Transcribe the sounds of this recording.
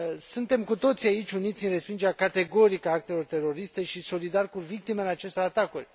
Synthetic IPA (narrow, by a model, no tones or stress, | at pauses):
sunt̪e̞mkut̪o̞t̪siaitt͡ʃʲunit̪sʲɨnre̞spind͡ʒeɾʲjakat̪e̞ɡo̞ɾikaak̚t̪e̞lo̞rt̪e̞ro̞ɾist̪e̞ʃiso̞lid̪arkuvik̚t̪ime̞ɨnlat͡ʃe̞st̪oɾat̪akurʲ